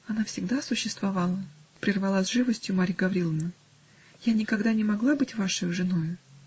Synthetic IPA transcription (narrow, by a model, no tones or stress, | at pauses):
ɐnafsʲɪɡd̪asʊɕːɪst̪vɐvalˠəpɾʲɪrvɐlˠazʲʐɨvəsʲtʲjʊmaɾʲɡɐvɾʲilˠəvnə | janʲɪkɐɡd̪anʲɪmɐɡlˠabɨtʲvaʂəjʊʐɨnojʊ